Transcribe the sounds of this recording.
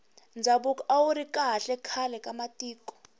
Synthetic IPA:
nd͡zʱaɓukʼɔawuɾikʼaɦaɬɛkʰalɛkʼamatʼiːkʼɔ̥

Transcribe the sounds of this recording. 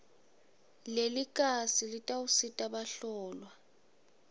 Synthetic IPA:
lelikʼasilitʼausitʼaɓaɬɔːlwa

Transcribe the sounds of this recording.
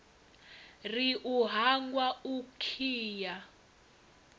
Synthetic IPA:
riʔuɦaŋɡwaukʰiːja

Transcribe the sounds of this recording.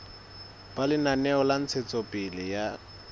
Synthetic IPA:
b̥alɪnanɛɔlan̩t͡sʰet͡sʼɔpʼɪlɪja

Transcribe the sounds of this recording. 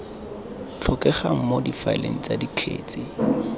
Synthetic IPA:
t͡ɬʰɔkɛχaŋ̩modifaɪlḛŋ̩t͡sadikʰḛːt͡sɪ

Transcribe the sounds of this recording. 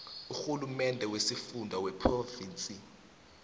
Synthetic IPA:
uxulumɛndʱɛwesifundʱawɛpʰroviːnt͡sʼi

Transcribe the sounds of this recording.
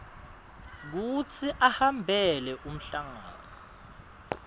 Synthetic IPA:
k̬ut͡sʰiʔahambʱɛlɛʔum̩ɬaŋa̰ːnɔ

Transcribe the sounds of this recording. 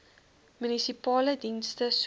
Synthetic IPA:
mynisipɑːlədinstəs

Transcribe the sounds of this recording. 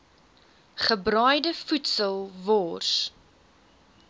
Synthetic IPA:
χəbrœjdəfutsəlˠvɔːrs

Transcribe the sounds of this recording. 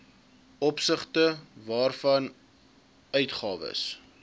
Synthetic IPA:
ɔpsəχtəvɑːrfɐn | œɥtχɑːvə̰s

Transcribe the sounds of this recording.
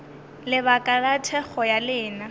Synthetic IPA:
lɪβakʼalatʰɛk͡xɔjalɪːna

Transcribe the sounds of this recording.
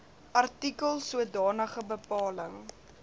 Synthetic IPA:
ʔɐrtikəlˠsuədɑːnəχəbəpɑːləŋ

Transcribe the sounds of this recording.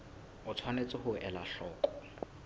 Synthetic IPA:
ʊt͡sʰwanet͡sʼɪhʊʔɛlaɬɔːkʼɔ̥

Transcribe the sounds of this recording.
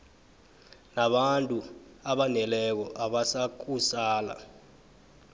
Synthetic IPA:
naɓantʼuaɓanɛlɛk̬ɔʔaɓasak̬usaːla̰

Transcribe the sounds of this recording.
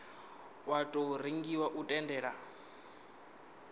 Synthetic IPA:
watʼɔɾiŋɡiwaʔutʼɛndɛːɺa

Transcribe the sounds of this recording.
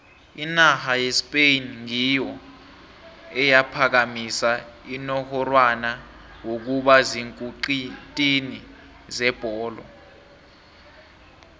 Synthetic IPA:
inahajespʼenŋijɔ | ɛjapʰak̬amisa | inɔhɔrwana | wok̬uɓaziŋkʼuǃitʼini | zɛb̥ʱɔːlɔ̰

